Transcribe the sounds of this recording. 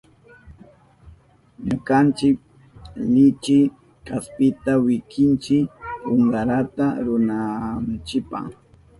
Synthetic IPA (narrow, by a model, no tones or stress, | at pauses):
ɲʊkant͡ʃɪk̚ | lɪt͡ʃɪ | kaspɪt̪awɪkɪnt͡ʃɪoɴɢɑɾat̪aɾʊnant͡ʃɪpa̰ŋ